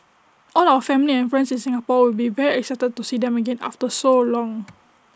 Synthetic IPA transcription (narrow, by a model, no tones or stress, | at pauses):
ʔɔlawəfɛ̃miliɛ̃nfɹɛ̃nsĩnsĩŋapɔwilbivɛɹiɛksaɪtəd̚tusidɛ̃məɡẽna̰ftəsolɔ̃ŋ